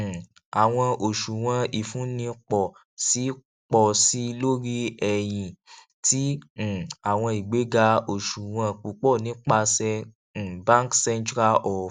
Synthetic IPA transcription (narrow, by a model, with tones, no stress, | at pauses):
a˨w̃ɔ̃˧o˨ʃu˨w̃ã˧i˨fũ˨˦nĩ˧k͡pɔ˨ | si˨˦ | k͡pɔ˧˨si˦˧lo˦ɾi˦ɛ˨j̃ĩ˨ | tĩ˦˨ | a˨w̃ɔ̃˧i˨ɡ͡be˨˦ɡa˧o˨ʃu˨w̃ã˧k͡pu˨k͡pɔ˦˨nĩ˨˦k͡pa˧sɛ̃˧˨ | bã˦ŋksɛ̃˧ntɾa˦ʔɔ˨